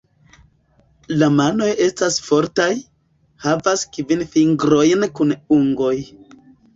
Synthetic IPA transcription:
lamano̞je̞stasfo̞ɾtaj | havaskvinfiŋɡɾo̞jnkunuŋɡo̞j

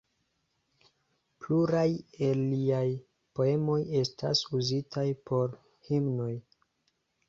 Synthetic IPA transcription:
pluɾajelːiaj | po̞e̞mo̞je̞sta̰suzitʰajpo̞ɾ | himno̞j

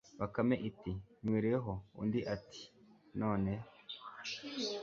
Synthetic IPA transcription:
βakameʔitimwiːɾieɦoṵndiʔati̥ | no̞ːne

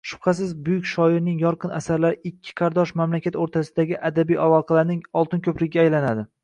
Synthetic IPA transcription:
ʃʊ̥pqʰɑs̬ɪzbʊjʊkʲʃɒɪɾnɪŋjɒɾqɨna̰saɾlaɾɪɪkʲʰːɪ̥qʰɑɾd̪ɒʃmamlakʲat̪oɾt̪ʰasɪd̪aɡʲɪʔad̪abijʔavɒqʰɑlaɾnɪŋɒlˠt̪ɪnkʰʲɵplɪɡʲaːjlanad̪ɪ

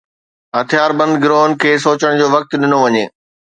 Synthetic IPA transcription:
ɦɐt̪ʰɪjaːɾbɐ̃nd̪ɡɪɾoːɦənkʰeːs̬oːt͡ɕəɽ̃d͡ʑoːʋɐk̚t̪ɗɪnoʋɐɲeː

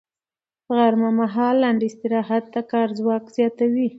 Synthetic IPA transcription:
əɣaɾmamaɦɑlːaɳɖɪst̪ɪɾɑɦad̪̚t̪akɑɾzwɑkz̥jɑt̪awi

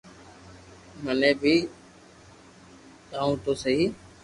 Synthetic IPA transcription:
mənẽːbʱiː | t̪ãːũːt̪oːsəɦiː

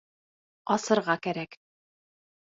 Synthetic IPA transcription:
ɒsɤ̆ɾʁɑkæɾæk

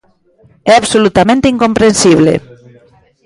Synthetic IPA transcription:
ɛaβsolut̪amẽnt̪iŋkompɾensiβ̞lḛ

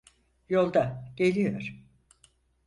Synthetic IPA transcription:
jo̞lˠd̪aɟ̥elʲijoɾ̥

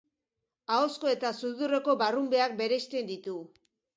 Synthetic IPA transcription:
ao̞sko̞e̞t̪asuðure̞ko̞barumbe̞ak̚be̞ɾe̞st̪e̞nd̪it̪u

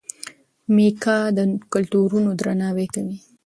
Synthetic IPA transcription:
mikɑd̪əkʊlt̪uɾunod̪ɾanɑwekawi

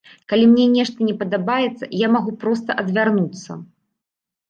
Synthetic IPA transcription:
kalʲimnʲɛnʲɛʂt̪ɐnʲɛpɐd̪abajɛt̪sːɐ̰jamaɣupɾɔs̬t̪ɐʔɐd̪vʲarnut̪sːɐ̰

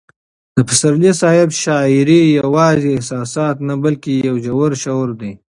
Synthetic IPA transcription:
d̪̥əpɪsaɾlisɑːjɪbʃɑːɪɾijawɑːzeɪhsɑːsɑːt̪nabalkejawd͡ʒawaɾʃawɾd̪i

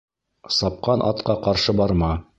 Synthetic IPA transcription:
sɑp̚qɑnʔɑ̰t̪qɑqɑɾʃɤbɑɾmɑ

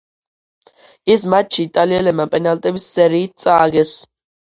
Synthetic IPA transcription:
is̬mat͡ʃʃʰiːt̪ʼaliɛlɛbmapʼɛnalt̪ʼɛbisːɛɾiːt̪̚t̪sʼaːɡɛs

